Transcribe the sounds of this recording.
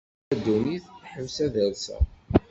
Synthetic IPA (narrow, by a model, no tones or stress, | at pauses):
æd̪uniθħəmsæðəlsæ̰